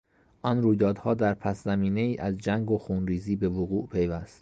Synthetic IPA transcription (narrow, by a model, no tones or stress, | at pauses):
ʔɒnɾuːjd̪ɒːd̪hɒːd̪æɾpʰæszæmiːne̞iːʔæzd͡ʒæŋɡoxunɾiːziːbe̞voɣuːʔpʰe̞jvæst̪